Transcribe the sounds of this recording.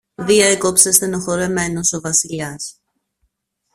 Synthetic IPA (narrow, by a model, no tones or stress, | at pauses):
ðiɐekopsest̪enoxo̞ɾe̞me̞noso̞vɐsiʎɐs